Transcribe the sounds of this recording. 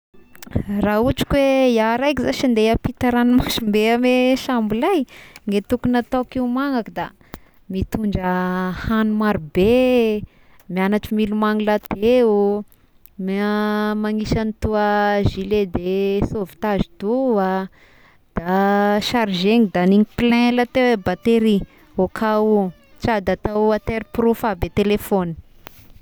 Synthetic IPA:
raɦuʈ͡ʂi̥kweijaɾajkizaʃand̪eapit̪aɾanimaʃimbeameʃambulajŋɡet̪ukunat̪akiumaŋakəd̪a | mit̪uɳɖ͡ʐəhanumaɾube | mianaʈ͡ʂimilumaŋilat̪eu | m | maŋiʃanit̪uəʒiled̪esovi̥t̪aʒit̪ua | d̪̥aʃaɾʒeŋid̪aniŋiplɛ̃lat̪ewebat̪eɾi | okʰau | t͡ʃad̪at̪auat̪eɾpɾufabet̪elefoni̥

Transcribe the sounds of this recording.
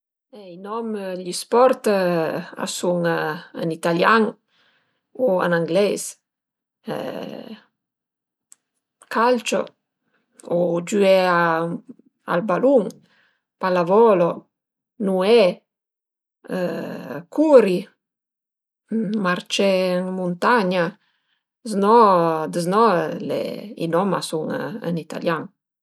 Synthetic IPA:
ɛinɔmʎispɔɾt̪ | a̰suŋa̰nit̪aljaŋ | ua̰naŋɡlɛs | kʰalt͡ʃo̰ | ɔd͡ʒyɛa | a̰lbaluŋ | palavɔlɔ | nuɛ | kʰuɾi | maɾt͡ʃɛŋmunt̪aɲa | znɔd̪əznɔlḛḭnɔma̰suŋə̰nit̪a̰ljaŋ

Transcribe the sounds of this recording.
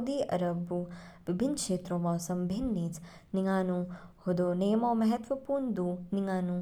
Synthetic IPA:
d̪iːʔɐ̰ɾɐbuʋibʱinːkʂeːt̪ɾoːmɔːsɐmbʱinːiːt͡s | niŋaːnuhod̪oːneːmoːmɐɦɐt̪ʋɐpuːɾɳd̪uniŋaːnu

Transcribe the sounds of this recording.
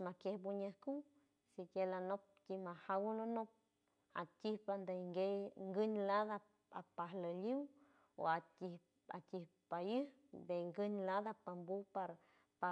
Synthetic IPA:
makjehbuɲəhku | sikʲelanop̚timahawulonop̚ | a̰tʲihpand̪aŋɡejŋɡɨɲlad̪a | apaɦləliw | o̰atih | a̰t̪ʲihpajɨ | beŋɡɨɲlad̪apambupaɾ | pa

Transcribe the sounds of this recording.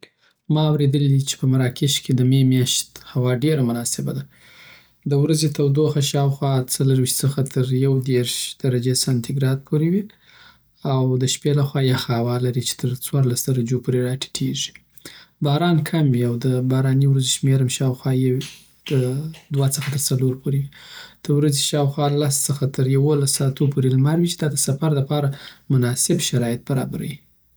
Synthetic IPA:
mɑawɾed̪əlid̪it͡ʃe̥pəmaɾɑkeʃked̪əmemjɑʃt̪hawɑɖeɾamʊnɑsɪbad̪a | d̪əwɾazet̪ʰawd̪oxaʃɑwxwɑt͡saləɾwiʃt̪səxat̪ʰəɾjawd̪eɾʃd̪̥aɾad͡ʒesant̪ʰiɡɾɑd̪̚pʰoɾiwi | awd̪əʃpelaxwɑjaxaawɑlaɾit͡ʃe̥t̪ʰəɾt͡swɑɾlasd̪aɾad͡ʒopoɾeɾaʈʰe̥ʈʰeʒi̥ | bɑɾɑnkʰamwiawd̪əbɑɾɑniwɾazeʃmeɾamʃɑwxwɑje | d̪̥əd̪wat͡səxat̪əɾt͡saloɾpʰoɾewid̪̥əwɾaziʃɑwxwɑlast͡səxat̪əɾjawolasːɑt̪opʰoɾelmaɾwit͡ʃe̥d̪ɑd̪əsafaɾlapɑɾamʊnɑsɪbʃaɾɑjɪt̪̚baɾɑ̰baɾa̰wi

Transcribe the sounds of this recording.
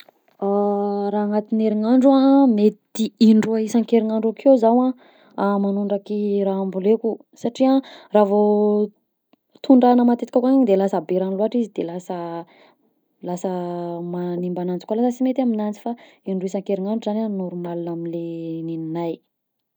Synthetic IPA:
aɾaːŋat̪ineɾiŋaɳɖ͡ʐuamet̪iiɳɖ͡ʐuaisaŋkeɾiŋaɳɖ͡ʐakʰewzawã | amanuɳɖ͡ʐakiɾaambuleku | saʈ͡ʂiaraːvo | t̪uɳɖ͡ʐanəmat̪et̪ikakaŋaɲid̪elasabeɾaniluɦaʈ͡ʂizid̪elasə | lasəmanimbanant͡si̥kʷalasəsimet̪iaminant͡si̥faiɳɖ͡ʐuisãŋkeɾiŋaɳɖ͡ʐuzananuɾumalunaminlenininaj

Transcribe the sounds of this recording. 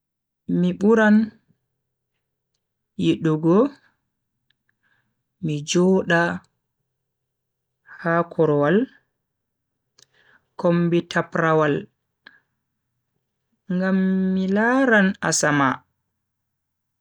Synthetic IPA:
miɓuɾan | jiɗuɡɔ | mid͡ʒɔːɗa | hakʰɔɾɔwal | kombitʰapɾawal | ŋɡamːilaɾana̰sama

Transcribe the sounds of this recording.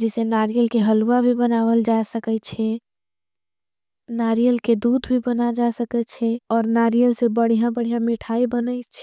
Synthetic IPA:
d͡ʒɛsenaɾijəlkeɦəluwabʱibənawəld͡ʒasəkɛt͡ʃʰɛ | naɾijəlked̪ud̪ʱbʱibənad͡ʒasəkɛt͡ʃʰɛɔːɾnaɾijəlsebəɽ̤ijãbəɽ̤ijãmiʈʰaibənət͡ʃʰɛ

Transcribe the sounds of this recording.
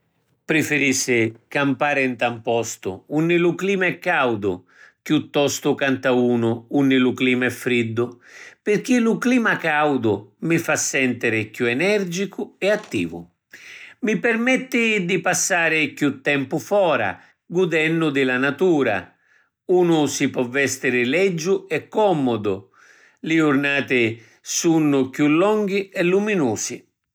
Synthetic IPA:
pɾɪfɪɾisːɪkampaːɾɪnt̪ampɔst̪ʊ̰unːɪlʊkliːmaɛkːawd̪ʊ̰ | kjut̪ːɔst̪ʊkant̪auːnʊunːɪlʊkliːmaɛfːɾid̪ːʊpɪrk̟ilʊkliːmakawd̪ʊmɪfasːɛnt̪ɪɾɪkjuɛnɛrd͡ʒikʊɛat̪ːḭːvʊ̰ | mɪpɛrmɛt̪ːɪd̪ipasːaːɾɪkjut̪ːɛmpʊfɔːɾa̰ | ɡud̪ɛnːʊd̪ɪlanat̪uːɾa̰ | uːnʊsɪpɔvːɛst̪ɪɾɪlɛd͡ʒːʊɛkːɔmɔd̪ʊ | lɪʊrnaːt̪ɪ | sunːʊkjulːɔŋɡ̟iɛlːuminuːsɪ

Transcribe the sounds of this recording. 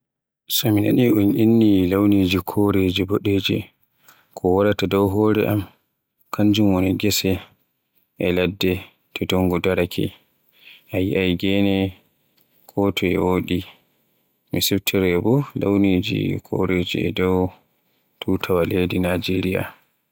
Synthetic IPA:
sɔmina̰niʔunʔinːilawnid͡ʒikʰoɾed͡ʒiboɗed͡ʒḭ | kʰɔwaɾatadɔwɦɔɾɛ̰ʔam | kʰaɲd͡ʒumwɔnɔɡɛsɛ | ʔɛladːɛ | tʰɛdɔŋɡɔdaɾakʰɛ̰ | ʔajiʔajɡɛnɛ | kʰɔtʰɔɛ̰woɗi | misɛftʰɛɾɛbɔla̰wniːd͡ʒḭkʰo̰ɾed͡ʒḭɛ̰dɔw | tʰutʰawaledinad͡ʒeɾija̰

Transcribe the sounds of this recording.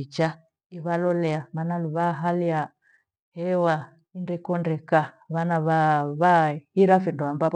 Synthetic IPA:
it͡ʃa | iβalɔlɛamanaluβaɦalia | hɛwa | indɛkɔndɛka | βanaβaβahiɾafinduambap

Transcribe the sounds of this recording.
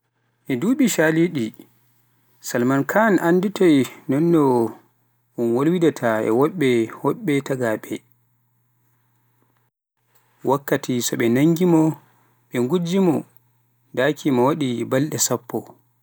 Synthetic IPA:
ʔɛduːɓiʃaːliɗi | salmankʰanʔanditʰɔjnɔnːɔ | unwolwidatʰaɛ̰wɔɓːɛhɔɓːɛtaɡaɓɛ | wʔakːatʰisɔɓɛnaŋɡimɔ | ɓɛŋɡud͡ʒimɔ | dakʰimawaɗibalɗɛsapːɔ

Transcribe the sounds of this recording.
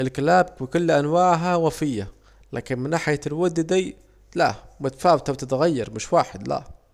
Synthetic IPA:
ɪlkalaːbwɪkʊlːʔanwaːʕɦawafɪjːa | la̰ːkɪnmɪnːaːħɪjalwʊd̪d̪i | la̰mʊt̪ḁfaːwɪt̪awt̪ɪt̪ɣajːɑɾˤmɪʃwaːħɪd̪la̰

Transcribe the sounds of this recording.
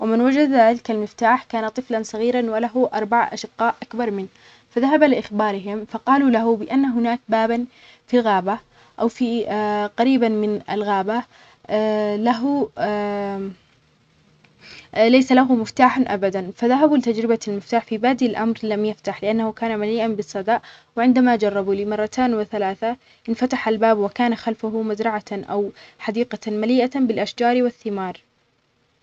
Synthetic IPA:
wɪmɪnwad͡ʒad̪lɪkalmɪft̪aːħkaːnat̪ˤɨflansˤɑɣiːɾanwalaɦʊʔɑɾˤbaʕʔa̰ʃɪqːɑːʔʔakbɑɾˤmɪn | faðaɦabalɪʔɪxbɑːɾɪɦɪmfɑqɑːlulaɦʊbɪʔanːaɦʊnaːk̚baːban | filɣaːba | ʔawfiqɑɾiːbanmɪna̰lɣaːba | laɦʊ | lajsalaɦʊmɪft̪aːħanʔa̰bad̪anfaðaɦabulɪt̪ad͡ʒɾɪbalmɪft̪aːħfibaːd̪ilʔamɾlamjaft̪aħlɪʔanːahʊkaːnamaliːʔanbɨsˤːɑd̪ɑːʔ | wɪʕɪnd̪amad͡ʒɑrˤːɑbuːliːmɑrˤːɑt̪ʰaːnwɪθalaːθa | ʔɪnfat̪aħalbaːbwɪkaːnaxalfʊɦʊmazɾˤɑʕaʔa̰wħad̪iːqɑmaliːʔabɪlʔaʃd͡ʒɑːɾwɪθːɪmɑːɾˤ

